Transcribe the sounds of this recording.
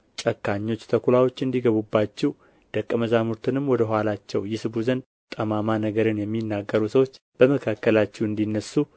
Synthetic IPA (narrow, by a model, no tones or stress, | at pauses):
t͡ʃʼəkːaɲːo̞t͡ʃːt̪ʰəkʰulawo̞t͡ʃːɨnd̪iɡəβubːat͡ʃːɛw | d̪̥əkʼːəməzamuɾt̪ʰɨnɨmwɔd̪əɦʷalat͡ʃːɛwjɪsɨbuzən | t̪ʼəmamanəɡəɾɨnjɛmːinːaɡːəɾusəwot͡ʃː | b̥əməkʰakːəlat͡ʃːɛwɨnd̪inːəsːu